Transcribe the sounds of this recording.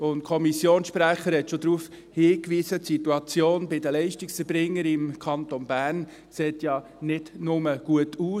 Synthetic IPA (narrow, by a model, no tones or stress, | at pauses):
ʊnt̚kʰɔmisjoːnsʃpɾæχəɾhɛtʃod̪ɾuːf | hiːkʋiːzətsituɑt͡sjoːnbɪdəlɛɪʃtiksəɾbɾɪŋːəɾɪmkʰɑnt̪onbæːɾn | seːtjɑ | nɪd̥nʊməɡ̥uətʰuː